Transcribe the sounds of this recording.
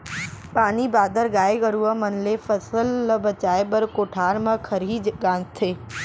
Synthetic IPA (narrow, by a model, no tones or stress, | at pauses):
paːnibaːd̪əɾɡaːeɡəɾuəmɐnlefɐsəlːəbɐt͡ʃaːeɓəɾkoːʈʰaːɾmɐ̃kʰɐɾiːd͡ʒɡãːnt̪ʰeː